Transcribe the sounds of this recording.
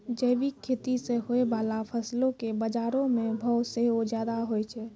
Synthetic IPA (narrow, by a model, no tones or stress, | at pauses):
d͡ʒəjbikʰːeːt̪iseɦoebaːlapʰəslõkebəd͡ʒaːɾõmẽbʱɔt̪seod͡ʒjaːd̪aɦoet͡ʃʰɛ